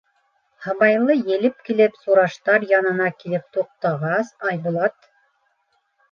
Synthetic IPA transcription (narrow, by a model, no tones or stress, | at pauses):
hɑβɑjlˠɤjɘ̆lɘp̚kilɘpsuɾɑʃt̪ɑɾjɑnɤ̆nɑkilɘp̚t̪uq̚t̪ɑʁɑsɑjbulˠɑt̪